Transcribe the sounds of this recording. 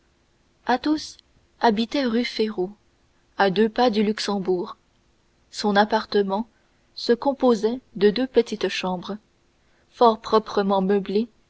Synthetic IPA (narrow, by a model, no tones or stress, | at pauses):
at̪os | abit̪ɛʁyfeʁo | ad̪øpad̪ylyksɑ̃buːʁ | sɔ̃napaʁt̪əmɑ̃ | səkɔ̃pozɛd̪əd̪øpət̪it̪ʃɑ̃bʁ | fɔʁpχɔpχəmɑ̃məble